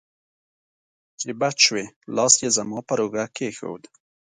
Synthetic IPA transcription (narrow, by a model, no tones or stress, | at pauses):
t͡ʃibat͡ʃwelɑːsjezɐmɑːpɐɾoɡakexə̰wd̪